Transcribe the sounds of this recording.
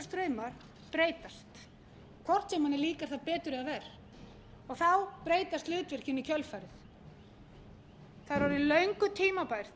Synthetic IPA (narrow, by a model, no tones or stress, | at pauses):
st̪ɾœːɥmaɾ̥ | pɾeːjt̪ast̪ | kʰvɔr̥t̪sɛmanɪliːkaɾ̥θaðpɛːt̪ʏɾɪavɛːɾ | ɔɣθawpɾeːjt̪ast̪lɪɣt̪vɪr̥cɪnːicʰœlfaːjɾɪθ | θaðɾvɔɾʏilœɥŋkʏt̪ʰiːmapajɾ̥